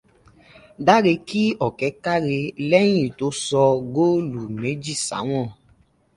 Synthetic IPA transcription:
da˦ɾe˧ki˦ɔ˨kɛ˨˦ka˦ɾe˧lɛ˦j̃ĩ˦˨to˧˦sɔ˧ɡo˦lu˨me˨˦d͡ʒi˦˨sa̰˨˦w̃ɔ̃˦˨

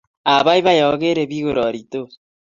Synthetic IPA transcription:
a˨βa˦i˦βa˦jɔ˨ɣe˦ɾe˨βi˦ɣo˨ɾɔ˨ɾi˨to˦

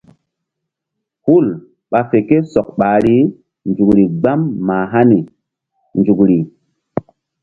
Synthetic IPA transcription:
hu˦˨l | ɓa˨fe˨ke˦sɔ˨k̚ɓa˨ɾi˦ | nd͡ʒu˨kɾi˨ɡ͡ba˦mːaː˨ɦa˦ni˨ | nd͡ʒu˨kɾi˨

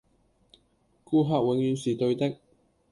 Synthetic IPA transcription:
kuː˥ɦaː˧k̚wɪ˨˧ŋjyː˨˧nsiː˨t̪ɵ˧ɥt̪ɪ˥k̚

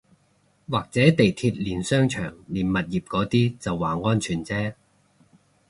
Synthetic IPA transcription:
waː˨˩k̚t͡sɛː˨˥t̪e˨jt̪ʰiː˧t̚liː˨˩nsœː˥ŋt͡ʃʰœ̰ː˨˩ŋliː˨˩nmɐ˨t̚jiː˨p̚kɔː˨˥t̪iː˥t͡sɐ˨wːaː˨ŋɔː˥nt͡ʃʰyː˨˩nt͡sɛː˥

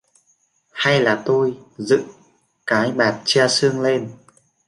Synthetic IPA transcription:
ha˧jlaː˨˩t̪o˧jzɨ̰˧˨ŋ | kaː˨˦jɓaː˨˩t̚t͡ɕaː˧sɨ˧əŋle˧n

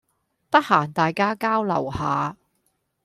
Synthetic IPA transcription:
t̪ɐ˥k̚haː˨˩nt̪aː˨jkaː˥kaː˥wlɐ̰˨˩whaː˨˧

